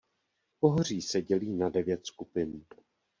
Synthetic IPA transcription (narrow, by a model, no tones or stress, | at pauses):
po̞ɦor̝iːsɛɟɛliːnadɛvjɛt̪skupɪn